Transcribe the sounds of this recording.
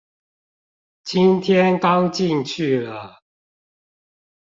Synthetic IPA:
t͡ɕʰi˦nt̪ʰjɛ˦˥nkɑ˦ʊt͡ɕi˥˧ŋt͡ɕʰy˥˩lə˨˩

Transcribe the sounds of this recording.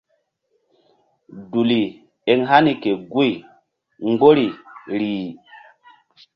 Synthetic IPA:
du˨li˨ | e˨ŋɦa˦ni˨ke˨ɡu˦i˨ | ŋɡo˦ɾi˨ɾiː˨

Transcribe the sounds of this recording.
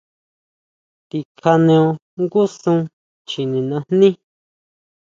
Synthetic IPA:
t̪i˨kʰa˧nẽ˧õ˧ | ŋɡu˦sũ˧ | t͡ʃi˨nĩ˨nã˧n̥nĩ˦

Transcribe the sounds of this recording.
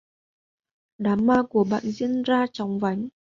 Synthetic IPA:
ɗaː˨˦mːaː˧ku˧˩əɓa̰ː˧˨nzḭ˧˥ənzaː˧t͡ɕɔ˨˦wŋ͡mva˨˦jŋ

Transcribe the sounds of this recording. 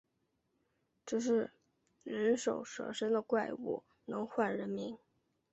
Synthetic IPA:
ʈ͡ʂ̩˥˧ʂ̬ɻ̩˥˩ | ɻə˧˥nʂo˨˩ʊʂɤ̰˧˥ʂə˥nd̪ə˨kwa˥˩ɪṵ˥˩ | nɤ˧˥ŋxwa˥˩nɻə˧˥nmi˧˥ŋ

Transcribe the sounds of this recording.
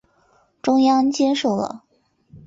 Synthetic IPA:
ʈ͡ʂʊ˥ŋjɑ˥ŋt͡ɕjɛ˥nʂo˨˩ʊlə̰˩

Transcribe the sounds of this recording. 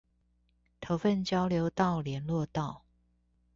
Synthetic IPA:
t̪ʰo˧˥ʊfə˥˨nt͡ɕjɑ˥ʊljo˧˥ʊt̪ɑ˥˨ʊljɛ˨˧˥nlwɔ˥˧t̪ɑ˥˨ʊ

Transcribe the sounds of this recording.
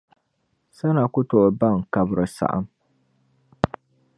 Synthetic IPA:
sa˦na˨kʊ˦to˨ʔba˦˨ŋ˨ka˦bɨ˨ɾɨ˨sa̰˨ʔa̰˦m

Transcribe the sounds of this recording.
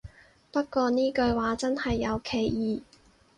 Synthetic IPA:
pɐ˥t̚kɔː˧niː˥kɵ˧ɥwaː˨˥t͡sɐ˥nhɐ˨jːɐ˨˧wkʰe˨˩jjiː˨˩

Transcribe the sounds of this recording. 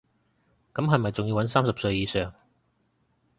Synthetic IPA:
kɐ˨˥mɦɐ˨jmɐ˨jt͡sʊ˨ŋjiː˧wɐ˨˥nsaː˥msɐ˨p̚sɵ˧ɥjiː˨˧sœː˨˩ŋ

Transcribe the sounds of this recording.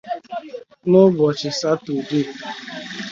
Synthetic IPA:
nʊ˦bɔ˨t͡ʃɪ˨sa˦tu˨di˦˨

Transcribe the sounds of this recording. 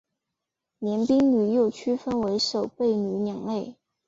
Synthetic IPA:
njɛ˧˥npi˥ŋny˨˩jo˥˩ʊt͡ɕʰy˥fə˥nwe˧˥ɪʂo˨˩ʊpe˥˩ɪny˨˩njɑ˨˩ŋle˥˩ɪ

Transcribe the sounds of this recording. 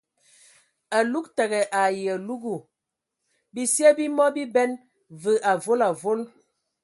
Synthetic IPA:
a˨lu˦k̚tə˨ɣɛ˨ʔa˨jə˨lu˦ɡu˨ | bi˦se˦bi˦mɔ˦bi˦bɛ˦n | və˨ʔa˨vo˦la˨vo˦l

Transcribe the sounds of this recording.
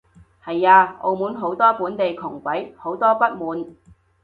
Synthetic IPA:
hɐ˨jaː˧o̰˧wmuː˨˥nɦo˨˥wt̪ɔː˥puː˨˥nt̪e˨jkʰʊ˨˩ŋkʷɐ˨˥jho˨˥wt̪ɔː˥pɐ˥t̚muː˨˧n

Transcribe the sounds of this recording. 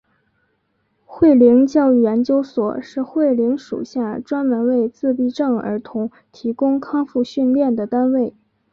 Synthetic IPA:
xwe˥˩ɪli˧˥ŋt͡ɕjɑ˥˧ʊy˥˩jɛ˧˥nt͡ɕjo˥ʊswɔ̰˨˩ʂɻ̩˥˧xwe˥˩ɪli˧˥ŋʂṵ˨˩ɕja˥˩ʈ͡ʂwa˥nmə˧˥nwe˥˧ɪt͡sɹ̩˥˧pi˥˧ʈ͡ʂɤ˥˩ŋə̰˞˧˥t̪ʰʊ˧˥ŋ | t̪ʰi˧˥kʊ˥ŋkʰɑ˥ŋfu˥˧ɕy˥˧nljɛ˥˩nd̪ə˩t̪a˥nwe˥˩ɪ

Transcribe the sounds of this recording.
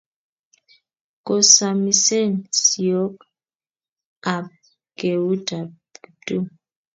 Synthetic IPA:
kɔ˨sa˨mi˨sɛ˦˨nsi˨jɔ˦k | a˨b̚ | ɡ̥e˨wu˦da˨b | u˨tu˦˨

